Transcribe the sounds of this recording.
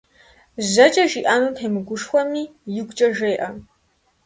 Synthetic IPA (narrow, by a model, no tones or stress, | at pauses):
zɐt͡ʃʼɐʒiːʔaːnupʰeːmɨɡʷʊʂxʷɐmiːjɪɡʷʼt͡ʃʼɐʒejʔɐ